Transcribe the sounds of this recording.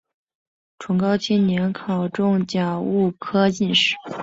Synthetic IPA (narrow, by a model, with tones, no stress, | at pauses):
ʈ͡ʂʰwʊ˧˥ŋkɑ˥ʊt͡ɕʰi˥nnjɛ˧˥nkʰɑ˨˩ʊʈ͡ʂʊ˥˩ŋt͡ɕja˨˩u˥˩kʰɤ˥t͡ɕi˥˧nʂɻ̩˥˩